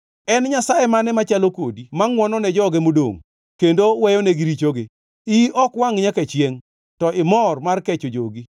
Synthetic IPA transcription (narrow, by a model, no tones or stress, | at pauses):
ɛnɲasajɛmanɛmat͡ʃalokodimaŋwɔnɔnɛd͡ʒɔɡemodo̰ŋ | kendowɛjɔneɡɪɾit͡ʃoɡe | iʔɔkwaŋɲakat͡ʃjeŋ | tɔʔɪmɔrmarkɛt͡ʃod͡ʒoɡi